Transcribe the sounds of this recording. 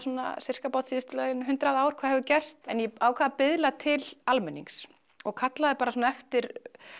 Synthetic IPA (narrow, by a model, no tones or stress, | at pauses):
sɔna̰sɪr̥kapawt̪siðɪst̪ʏlɛjɪnɦʏnt̪ɾaðaːwɾ̥kʰaːðhɛvʏcɛr̥st̪ɛnjɛawkʰaðapɪðlat̪ʰɪlalmɛnːḭŋks | ɔɣkʰat̪laðɪpaːɾasɔnɛft̪ɪɾ